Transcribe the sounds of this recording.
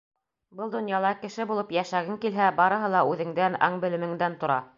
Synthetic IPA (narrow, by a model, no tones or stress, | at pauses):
bɤlˠd̪ŏnjɑlˠɑkɘ̆ʃɘbulˠɤpjæʃæɡɘŋkilɦæbɑɾɤ̆ɦɤlˠɑʉðɘ̆ŋd̪ænɑ̰ɴbɘ̆lɘ̆mɘ̆ŋd̪ænt̪ŏɾɑ